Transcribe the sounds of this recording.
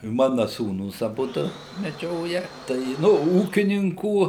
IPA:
ˈmɑːnɐ ˈsuːnuːs ɐˈbʊdʊ mʲɛˈd͡ʒʲoːjɛ ˈtɐɪ ɪ ˈnʊ ˈuːkʲɪnʲɪŋkuː

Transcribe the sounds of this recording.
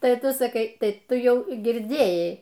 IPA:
ˈtɐɪ ˈtʊ sɐˈkɐɪ ˈtɐɪ ˈtʊ ˈjɛʊ ɡʲɪrʲˈdʲeːjɛɪ

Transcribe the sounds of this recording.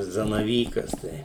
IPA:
zɐnɐˈʋʲiːkɐs ˈtɐɪ

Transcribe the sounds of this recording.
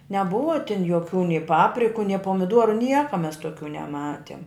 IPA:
nʲɛˈbʊʋɐ tʲɪn joːˈkʲuː nʲɪ ˈpɑːpʲrʲɪkʊ nʲɪ poːmʲɪˈdoːrʊ ˈnʲiɛkɐ mʲɛs tuɔˈkʲuː nʲɛˈmɑːtʲiɛm

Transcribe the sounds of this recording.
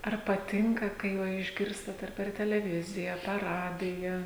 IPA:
ɐr pɐˈtʲɪŋkɐ kɐɪ ˈʋɐ ɪʒʲˈɡʲɪrstɐt ɐr pʲɛr tʲɛlʲɛˈʋʲɪzʲɪjɛ ɐ pʲɛr ˈrɑːdʲɪjɛ

